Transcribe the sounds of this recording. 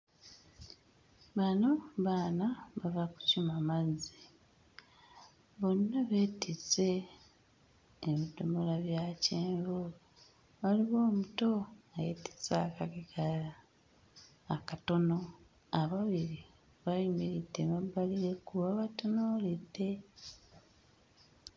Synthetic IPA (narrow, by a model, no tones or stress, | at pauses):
βano̞βaːnaβavaku̥cimamazi | βo̞nːaβe̞tit͡se̞ | βitomolaβjaceːmvo | βaliβo̞ːmuto̞ajeti̥t͡sakaɡiɡala | kato̞no̞ | aβaβiɾi | βaimiɾideβabːaliɾe̞kuβaβatonoːlidːe̞